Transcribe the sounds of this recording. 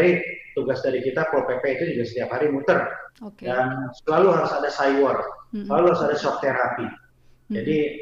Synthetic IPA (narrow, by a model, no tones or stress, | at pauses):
ɾit̪uɡasdaɾikit̪apɾopepɛit̪ud͡ʒuɡasə̥t̪iaphaɾimut̪ərdansəlaluɦaɾʊsadasajwərsəlaluhaɾʊsadasɔk̚t̪eɾapi | d͡ʒadi